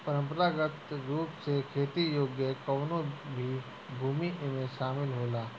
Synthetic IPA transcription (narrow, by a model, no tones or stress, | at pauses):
pəɾə̃mpəɾaːɡət̪ɾuːpsekʰeːt̪ijoːɡjəkəːnõbʱi | bʱuːmiʔmẽʃaːmɪlɦoːlaː